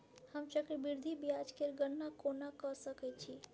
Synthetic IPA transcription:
həmt͡ʃəkɾbiɾd̪ʱibijad͡ʒkeɾɡənːakonakəsəkɛt͡ʃʰi

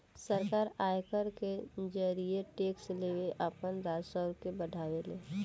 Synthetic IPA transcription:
səɾkaːɾaːjkəɾked͡ʒəɾieʈeːksleːweʔapənɾaːd͡ʒsəɾkebəɖʱaːʋeleː

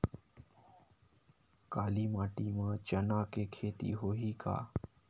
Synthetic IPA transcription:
kaːliːmaːʈiːmãːt͡ʃənaːkekʰeːt̪ḭːɦoːɦiːka̰ː

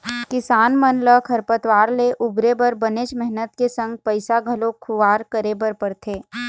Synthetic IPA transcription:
kɪsaːnmənləkʰəɾpət̪ʋaːɾleʔʊbɾebɐɾbəneːt͡ʃmɛɦnət̪̚kesə̃ŋɡ̚pəɪsaɡʱəlõkʰʊʋaːɾkəɾebəɾpəɽt̪ʰeː

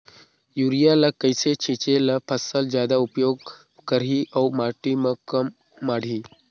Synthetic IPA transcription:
juɾijalakəjset͡ɕʰit͡ɕelapʰəsəld͡ʑjad̪aupjoɡ | kəɾɦiʔawmaʈiməkəmː | aɽ̤ʱi

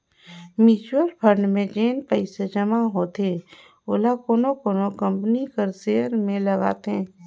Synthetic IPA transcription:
miːt͡ʃwəɾpʰəɾɳɖmẽd͡ʒeːnpəɪsed͡ʒɐmaɦoːt̪e | oːlakoːnokoːnokə̃mpnikəɾseːəɾmẽlɐɡa̰ːt̪ḛ̃ː

